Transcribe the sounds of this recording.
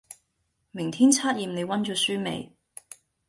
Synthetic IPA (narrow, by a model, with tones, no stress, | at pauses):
mɪ˨˩ŋt̪ʰiː˥nt͡sʰaː˥t̚jiː˨mne˨˧jwɐ˥nt͡ʃɔː˨˥syː˥mḛ˨˧j